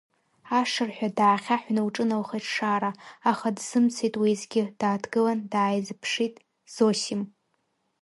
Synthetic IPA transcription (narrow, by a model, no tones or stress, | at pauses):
aʂɨrħʷᶣadaːχʲaħʷnɨwʈ͡ʂʼɨnawχeʈ͡ʂʰʂaːɾaaχadz̥ɨmt͡sʰijtʼwizɡʲɪd̥aːdɡɨlandaːjzɨpʰʂitʼ | z̥osim